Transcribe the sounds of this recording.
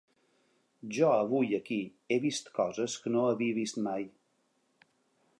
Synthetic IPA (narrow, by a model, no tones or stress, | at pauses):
ʒɔəβujəki | eβist̪kɔzəskənoəβiəβist̪maj